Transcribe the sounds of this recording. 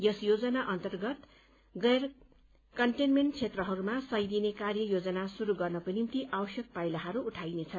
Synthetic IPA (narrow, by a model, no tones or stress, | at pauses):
jʌsjod͡zʌnaʔʌnt̪ʌrɡʌt̪ | ɡʌr | kʌɳʈenmeɳʈt͡sʰet̪rʌɦʌɾumasʌjd̪inekarjʌjod͡zʌnasuɾuɡʌrnʌkonimt̪iʔabʌsjʌk̚pajlaɦʌɾuːʈʰajnet͡sʰʌ